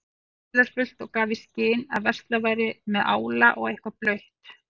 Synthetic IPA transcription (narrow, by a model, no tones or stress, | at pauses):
ðaɾ̥fʏl̥t̪ɔɣkaːvɪscɪːna̰ðvɛr̥st̪lavaːjɾɪmɛðʔaːwlaʔɔɣejhkvaplœɥht̪